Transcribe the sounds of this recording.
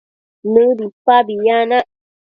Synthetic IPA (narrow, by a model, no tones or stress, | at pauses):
nəbipabijana